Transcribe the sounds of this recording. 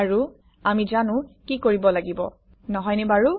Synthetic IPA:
aɹu | amizanʊ̃kikoɹibɔlaɡibɔ̰ | nɔɦɔjnɛbaɹu

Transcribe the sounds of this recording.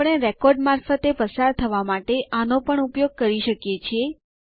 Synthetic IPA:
ɽ̃eɾɛkɔɾɖmaɾfət̪epəsaɾt̪ʰəʋamaʈeʔanopəɳupjoɡ̚kəɾiʃəkjet͡ʃʰie

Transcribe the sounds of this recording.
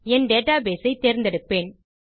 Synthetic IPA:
ɛnɖeːʈːaːbeːsɐɪt̪ːeːɾnd̪ɛɽɯpːeːn

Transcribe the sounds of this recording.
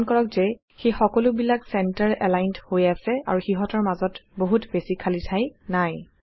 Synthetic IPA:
nkɔɹɔkzɛ | xejxɔkɔlʊbilaksɛntaɹʔɛ̰lajnthojasɛa̰ɹuxiɦɔtɔɹmazɔtboɦutbesikʰalitʰajnaj

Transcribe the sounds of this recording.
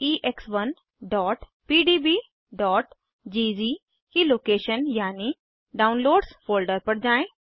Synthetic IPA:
iːʔeksʋən | ɖɔːʈpiːɖiːbiː | ɖɔːʈ | d͡ʒid͡ʒiː | kiloːkeːʃənjaːni | ɖaːunloːɖsfoːlɖəɾpəɽd͡ʒãːẽ

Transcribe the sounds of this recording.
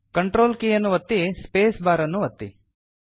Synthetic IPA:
kɐɳʈɾoːlkeːjɐnːuʋɐt̪ːispeːsbaːɾɐnːuɐt̪ːḭ

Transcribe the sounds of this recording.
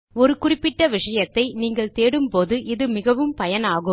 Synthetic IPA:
ɔɾɯkʊrɪpːɪʈːɐʋɪʂɐjɐt̪ːɐɪniːŋɡɐɭt̪eːɽɯmpoːðɯʔɪðɯmɪɣɐʋɯmpɐjɐnaːɣɯ

